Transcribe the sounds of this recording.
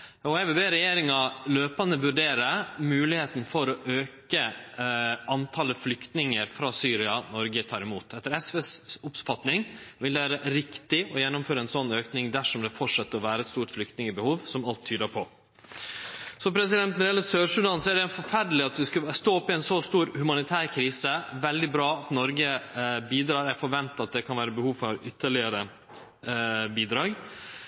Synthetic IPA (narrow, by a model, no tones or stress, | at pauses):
ɔæʋbeːɾɛjeːɾɪŋɑløːpɑnəʋʉɖeːɾəmʉːlɪheːt̪n̩fɔɾɔʔøːkə | ʔɑnt̪ʰɑːləflʏkt̪nɪŋəɾfɾɑːsyːɾɪɑnɔɾɡət̪ʰɑːɾɪmuːt̪ɛt̪ːəɾɛsʋesʊpfɑt̪nɪŋʋɪld̪ɛʋæːɾəɾɪkt̪ɪɔjɛnːʊmføːɾəɛnsɔnːøːknɪŋd̪æʂɔmd̪ɛfɔʈʂɑt̪ːəɾɔʋæːɾəɛt̪st̪uːʈflʏkt̪nɪŋəbəhuːʋsɔmɑlt̪ʰːyːd̪əpʰɔ | sɔpʰɾɛsɪd̪ɛnt̪nɛɾjɛlːəsøːʂʉd̪ɑːnsɔæɖɛɛnfɔɾfæɾɖəlɪɑt̪̚d̪ɛskɑst̪oːɔpːɪɛnsoːst̪uːɾhʉmɑnɪt̪ʰæːɾkʰɾiːsəʋɛld̪ɪbɾɑːɑt̪nɔɾɡəbiːd̪ɾɑːɾæɾfɔɾʋɛnt̪ɑt̪̚d̪ɛkʰɑnʋæːɾəbəhuːʋfɔɾʏt̪ʰːəɭɪəɾə | biːd̪ɾɑːɡ